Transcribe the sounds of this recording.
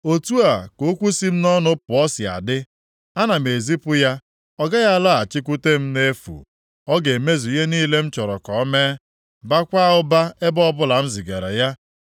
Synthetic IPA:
o˨tu˦a˨ko˨˦kʷu˦si˦m̩˦nɔ˦nʊ˦pʊ˨ɔ˦si˨a̰˨dɪ˦ | a˦na˨m˨e˨zi˦pʊ˦ja˦ | ɔ˦ɡa˦ja˦la˦a˨t͡ʃɪ˦kʷu˦te˦m̩˦ne˦fṵ˨ | ɔ˦ɡe˨me˦zi˨˦e˦niː˦le˦m̩˦t͡ʃɔ˨ɾɔ̰˨kɔ˨ɔ˦me˦ | ba˦kʷa˦ʊ˦ba˦e˦bɔ˦bʊ˦la˨m̩˦zi˨ɡe˨ɾḛ˨ja˦

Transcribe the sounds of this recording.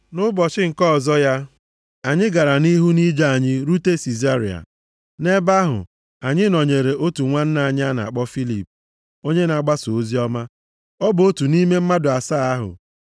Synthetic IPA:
nʊ˦bɔ˨t͡ʃɪ˦ŋ̩˨kɔ˦˨zɔ˦ja˦ | a˨ɲɪ˦ɡa˨ɾa˨ni˦ɦu˦ni˦d͡ʒa˦˨a˨ɲɪ˦ɾu˦te˦si˨za˦ɾḭ˨a̰˨ | ne˦ba˦ɦʊ̰˨ | a˨ɲɪ˦nɔ˨ɲe˨ɾe˨o˦tu˨ŋʷa˦n̩˦na˨ɲ˦a˦na̰˨k͡pɔ˦fi˦lḭ˨p | o˦ɲe˦n˨a˨ɡ͡ba˦so˨o˦zi˦ɔ˦ma˦ | ɔ˦bo˦tu˨ni˦me˦m̩˦ma˦dʊ˨a˨saː˦˨a˦ɦʊ̰˨

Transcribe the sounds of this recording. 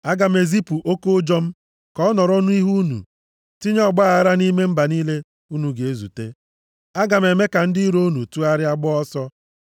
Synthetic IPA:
a˦ɡa˨me˨zi˦pu˨ʔo˦ko˦d͡ʒɔ˦m̩˦ | kɔ˦ɔ˦nɔ˨ɾo˦nu˦i˦ɦu˦nṵ˨ | ti˦ɲ˦ɔ˦ɡ͡ba˦a˨a˦ɾa˦ni˦me˦m̩˦ba˨niː˦le˦ | u˦nu˨ɡe˨e˦zṵ˨te˦ | a˦ɡa˨m˨e˨me˦ka˨n̩˦dɪ˦ɾo˦nu˨tu˦a˦ɾɪ˦a˦ɡ͡bɔ˦ɔ˦sɔ˦

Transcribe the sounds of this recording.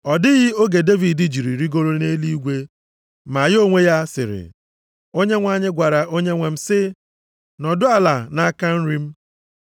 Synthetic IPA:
ɔ˨dɪ˦ɣɪ˦o˦ɡe˨de˦vi˨di˨d͡ʒi˨ɾi˨ɾi˦ɡo˦ɾo˦ne˦li˦i˦ɡʷe˦ | ma˨jo˦ŋʷe˦ja˦sɪ̰˨ɾɪ̰˨ | o˦ɲe˦ŋʷa˨ɲɪ˦ɡʷa˨ɾa˨ʔo˦ɲe˦ŋʷe˨m̩˦sɪ˦ | nɔ˨dʊ˦a˨la˨na˦ka˦n̩˦ɾi˦m̩˦

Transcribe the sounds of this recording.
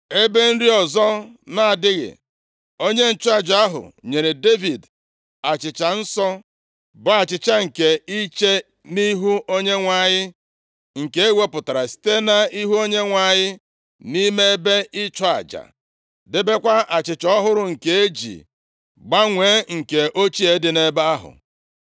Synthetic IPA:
e˦be˦n̩˦ɾi˦ɔ˨zɔ˦na˨a˨dɪ˦ɣɪ̰˨ | o˦ɲe˦n̩˨t͡ʃɔ˦a˨d͡ʒa˦a˦ɦʊ̰˨ɲe˨ɾe˨de˦vi˨d | a˨t͡ʃɪ˨t͡ʃa˨n̩˦sɔ˦ | ba˦a˨t͡ʃɪ˨t͡ʃa˦ŋ̩˨ke˨i˦t͡ʃe˦ | ni˦ɦu˦o˦ɲe˦ŋʷa˨ɲɪ˦ | ŋ̩˨ke˦e˦we˦pʊ˨ta˨ɾa˨si̥˦te˦na˨i˦ɦu˦o˦ɲe˦ŋʷa˨ɲɪ˦ | ni˦me˦e˦be˦ʔɪ˦t͡ʃɔ˦a̰˨d͡ʒa̰˨ | dɪ˦be˦kʷa˦ʔa˨t͡ʃɪ˨t͡ʃɔ˦ɦʊ˦ɾʊ˨ŋ̩˨ke˨e˦d͡ʒḭ˨ | ɡ͡ba˦ŋʷe˨˦ŋ̩˨ke˨ʔo˦t͡ʃi˦e˨˦dɪ˨ne˦ba˦a˦ɦʊ̰˨

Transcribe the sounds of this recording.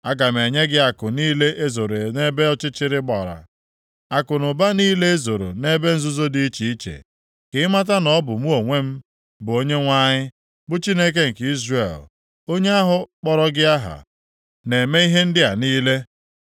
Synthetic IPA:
a˦ɡa˨m̩˨e˨ɲe˦ɡɪ˦a˨kʊ˨niː˦le˦ʔe˦zo˨ɾe˨ne˦be˦ɔ˦t͡ʃɪ˦t͡ʃɪ˦ɾɪ˦ɡ͡bɔ̰˨ɾa̰˨ | a˨kʊ˨nʊ˨ba˦niː˦le˦e˦zo˨ɾo̰˨ne˦be˦n̩˦zʊ˦zo˦di˦i˦t͡ʃi˨i˦t͡ʃḛ˨ | kɪ˦ɪ˦ma˦t̬a˦nɔ˦bʊ˨mu˦o˨ŋʷe˦m̩˦ | bʊ˨o˦ɲe˦ŋʷa˦ɲɪ˦ | bʊ˦t͡ʃi˦ne˦k̬e˦ŋ̩˨ki˦zre˨l | o˦ɲe˦a˦ɦʊ˦k͡pɔ˨ɾɔ˦ɡɪ˦a˦ɦa̰˨ | ne˨me˦i˦ɦe˦n̩˦dɪ˦a˨niː˦le˦

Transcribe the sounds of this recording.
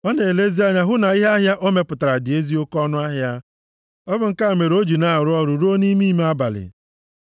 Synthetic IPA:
ɔ˦ne˨le˦zi˦a˦ɲa˨ɦʊ˦na˨i˦ɦa˦ɦja˦ʔo˦me˨pʊ˨ta˨ɾa˨dɪ˨e˦zi˦o˦kɔ˦nʊ˦a˦ɦja˦ | ɔ˦bʊ˨ŋ̩˦ka˦˨me˨ɾo˦d͡ʒu˨na˦˨ɾʊ˦ɔ˦ɾu˨ɾu˦o˦ni˦mi˦m˦a˦ba̰˨lɪ̰˨

